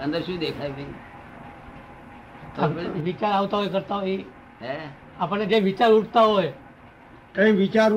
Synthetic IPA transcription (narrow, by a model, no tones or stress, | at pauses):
ənd̪əɾʃũd̪ekʰajbi | ʋit͡ʃaɾaʋt̪aɦojkəɾt̪aɦoi | ɦe | apəɳed͡ʒeʋit͡ʃaɾuʈʰt̪aɦoj | kə̃ĩʋit͡ʃaɾ